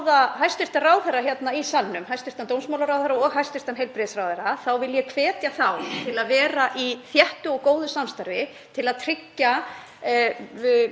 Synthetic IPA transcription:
ðaɦajst̪ɪr̥t̪anraːwθɛɾaçjɛt̪naisalnʏmhajst̪ɪr̥t̪ant̪ownsmawlaɾawθɛɾaɔɣɦajst̪ɪ̥t̪anɦejlpɾɪsɾawθɛɾaθawvɪljɛkʰvɛːt̪jaθawt̪ʰɪlaðvɛːɾaʔiθjɛht̪ʏɔɣkoːwðʏsamst̪aɾvɪ | t̪ʰɪlaðt̪ʰɾɪcːa

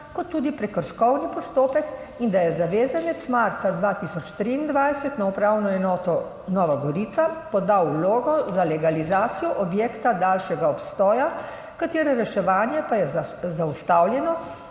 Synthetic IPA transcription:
kɔt̪ːuːd̪ipɾɛkəɾʃkɔwnipɔst̪oːpɛk | ind̪ajɛzaʋeːzanɛt̪smaɾt̪sad̪ʋaːt̪isɔt͡ʃt̪ɾiːnd̪ʋajsɛt̪naupɾawnɔɛnɔːt̪ɔ | nɔːʋaɡɔɾiːt̪sapɔd̪awloːɡɔzalɛɡalizaːt̪sijɔʔɔbjeːkt̪ad̪aːlʃɛɡaɔpst̪ɔːja | kat̪eːɾɛɾɛʃɛʋaːnjɛpajɛzaust̪awljɛnɔ

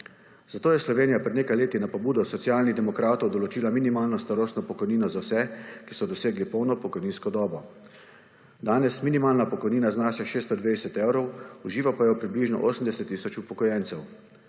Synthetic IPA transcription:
z̥at̪oːjɛslɔʋeːnijapɾɛd̪neːkajleːt̪inapɔbuːd̪ɔsɔt̪sjaːlnid̪ɛmɔkɾaːt̪ɔwd̪ɔlɔt͡ʃiːlaminimaːlnɔst̪aɾoːst̪nɔpɔkɔjniːnɔzawsɛkisɔd̪ɔseːɡlipɔwnɔpɔkɔjniːnskɔd̪ɔːbɔ | d̪aːnɛsminimaːlnapɔkɔjniːnaznaːʃjaʃeːst̪ɔd̪ʋed̪ɛsɛt̪ɛwɾɔwuʒiːʋapajɛwpɾibliʒnɔ̰ʔoːsəm̩d̪ɛsɛt̪ːiːsɔt͡ʃupɔkɔjɛnsɛw

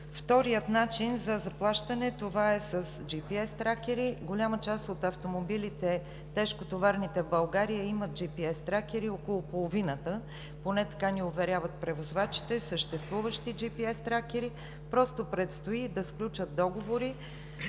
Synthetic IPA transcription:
ft̪ɔɾijət̪nat͡ʃinzɐzɐplˠaʃt̪ɐnɛt̪ovaɛsəsd͡ʒipiɛst̪ɾakʲɛɾiɡolʲamət͡ʃast̪ot̪ɐft̪omobilit̪ɛ | t̪ɛʃkot̪ovaɾnit̪ɛvbɐlˠɡaɾijəimət̪̚d͡ʒipiɛst̪ɾak̟ʲɛɾiɔkolˠopolˠovinət̪ə | ponɛt̪ɐ̥kaniovɛɾʲavət̪̚pɾɛvozvat͡ʃi̥t̪ɛsəʃt̪ɛst̪vuvəʃt̪id͡ʒipiɛst̪ɾakɛɾi | pɾɔst̪opɾɛt̪st̪oid̪ɐsklʲut͡ʃət̪̚d̪ɔɡovoɾi

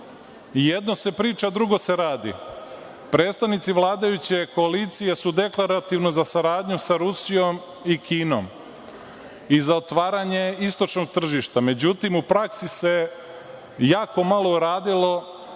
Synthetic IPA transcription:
jed̪no̞se̞pɾiːt͡ʃad̪ɾuɡo̞se̞ɾaːd̪ḭ | pɾe̞ːt̪st̪aʋnit̪siʋlˠaːd̪ajut͡ɕe̞ko̞alit̪sije̞sud̪e̞klˠaɾat̪iʋnozasaɾaːd̪ɲusaɾusijo̞m | ikʰiːno̰m | izaot̪ʋaːɾaɲe̞ist̪o̞t͡ʃno̞ɡ̚t̪r̩ʒiʃt̪ame̞d͡ʑut̪imupɾaksise̞ | jaːko̞malo̞uɾaːd̪ilo̞

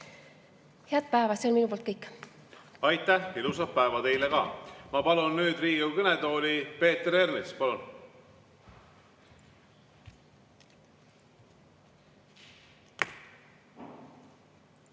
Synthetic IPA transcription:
heɑt̪̚pæevɑseonminupolt̪kɤjkːˑ | ɑjt̪ːˑæhilusɑpæevɑt̪e̞jlekɑ̰ːmɑpɑlunːyːd̪riːɡukɤnet̪o̞ːlʲipe̞ːt̪eɾernespɑlun

